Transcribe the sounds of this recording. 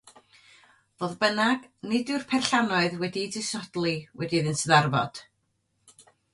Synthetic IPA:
voːðbənaɡ̥nɪdɨr̥pʰɛrɬanɔɨðwɛdidɪsɔd̥lˠiwɛdiðɪnsəðarvɔ̰d̥

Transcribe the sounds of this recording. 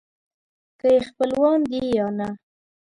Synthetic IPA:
kəjexpəlwɑnd̪ijɑna

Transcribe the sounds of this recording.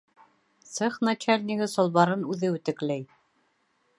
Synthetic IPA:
sɤχnat͡ɕælʲnʲiɡɘsŏlˠβɑɾɤnʉðɘʉt̪ɘ̆klæj

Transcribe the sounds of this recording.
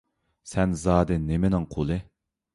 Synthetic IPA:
sɛnzɑːd̪ɨnemɪnɪŋqʰolˠɨ

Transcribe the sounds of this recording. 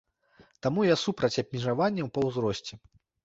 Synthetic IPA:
t̪amujasupɾɐt͡sʲɐbʲmʲiʐavanʲːɐwpɐwzɾɔsʲt͡sʲɛ

